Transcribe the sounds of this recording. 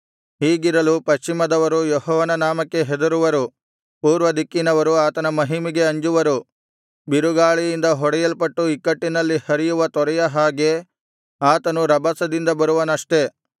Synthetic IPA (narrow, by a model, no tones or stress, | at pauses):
ɦiːɡiɾɐlupɐʃt͡ʃimɐd̪ɐʋɐɾujɔɦɔːʋɐnɐnaːmɐkːe̞ɦed̪ɐɾuʋɐɾu | puːɾʋɐd̪ikːinɐʋɐɾuaːt̪ɐnɐmɐɦimiɡe̞ɐɲd͡ʒuʋɐɾu | biɾuɡaːɭijind̪ɐɦɔɽɛjɐlpɐʈːuikːɐʈːinɐlːihɐɾijuʋɐt̪ɔɾɐjɐɦaːɡe̞ | aːt̪ɐnuɾɐbɐsɐd̪ind̪ɐbɐɾuʋɐnɐʂʈe̞